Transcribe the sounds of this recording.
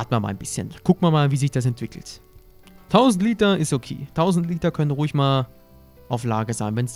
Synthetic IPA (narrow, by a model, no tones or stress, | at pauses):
tmama̰ːlnbɪsçə̰nkʰʊk̚tmaːmaːlviːzɪçd̥as̬ɛntv̥ɪkl̩t | tʰaʊzn̩tliːtɐɪstokʰḛːtʰaʊzn̩tliːtɐkʰœnənʁuːɪçmaːl | ʔaʊflaːɡəzaɪnvɛns